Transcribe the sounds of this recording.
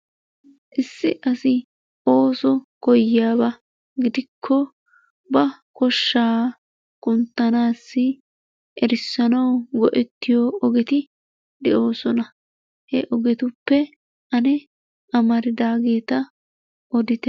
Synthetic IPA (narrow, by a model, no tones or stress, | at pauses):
ʔɪsːɪʔɐsɪ | o̞ːsɔkɔjɪjaːbɐ | ɡɪd̪ɪkʰːɔ | bɐ | kɔʃːaː | kʼʊnt̪ːɐnaːsːɪ | ʔɛɾɪsːɐnɐwɡɔʔɛt̪ːɪjoɔɡɛt̪ɪ | d̪ɛʔo̞ːsɔnɐ | hɛʔɔɡɛt̪ʊpːɛ | ʔɐnɛ | ɐmɐɾɪd̪aːɡe̞ːt̪ɐ | ɔd̪ɪt̪ɛ